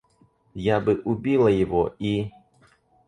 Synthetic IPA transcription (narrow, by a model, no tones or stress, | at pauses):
jabɨʔubʲilˠɐjɪvoi